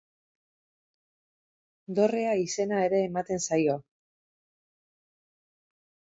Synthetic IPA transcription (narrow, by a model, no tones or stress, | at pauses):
d̪o̞re̞aise̞nae̞ɾe̞ːmat̪e̞nsajo